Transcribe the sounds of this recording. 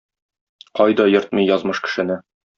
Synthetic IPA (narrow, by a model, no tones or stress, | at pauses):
qɒjd̪ɒjɤ̆ɾt̪̚mɤijɒzmɤʃkɘ̥̆ʃɘ̆nɘ